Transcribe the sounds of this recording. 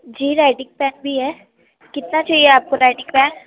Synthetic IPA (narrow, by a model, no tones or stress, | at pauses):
d͡ʒiːɾaːɪɖɪ̃ŋɡ̚pɛ̃ːnbʱiɦɛː | kɪt̪nat͡ʃaːɦieaːp̚koɾaːɪʈɪ̃ŋpɛːn